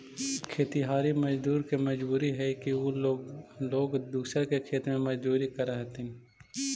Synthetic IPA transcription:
kʰeːt̪iɦaːɾiməd͡ʒd̪uːɾkemɐd͡ʒbuːɾiɦɛkio | loːɡd̪uːsəkekʰeːt̪mẽmɐd͡ʒd̪uːɾikəɾəɦt̪ɪ

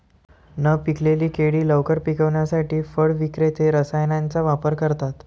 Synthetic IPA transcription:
nəpikleliːkeɽiːləʋkəɾpikəʋɳjasaʈiːfəɽʋikɾet̪eɾəsajnant͡saʋapəɾkəɾt̪at̪

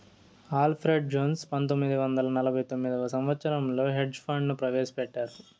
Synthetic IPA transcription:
aːlpʰɾeɖ̚d͡ʒoːnspɐnt̪̬omːid̪iʋɐnd̪ɐlɐnɐlɐbʱɐjt̪omːid̪iɐsɐmʋɐt̪sɐɾɐmlo̞ːɦeɖd͡ʒpʰɐɳɖnupɾɐʋeːsɐ̥pɛʈːaːɾu

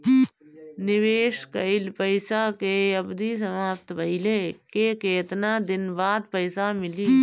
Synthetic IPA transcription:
nɪʋeːʃkəɪlpəɪsakeɐbd̪is̬əmaːpt̪bʱɐɪlekekeːt̪nad̪ɪnbaːd̪pəɪsamɪliː

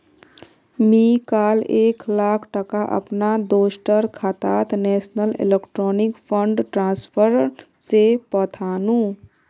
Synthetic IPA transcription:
mikaleklakʰʈəkaʔə̰pnad̪osʈəɾkʰat̪at̪nesnəlḛlekʈɾonikpʰəɳɖʈɾãnspʰəɾ | t͡ʃepət̪ʰanũ

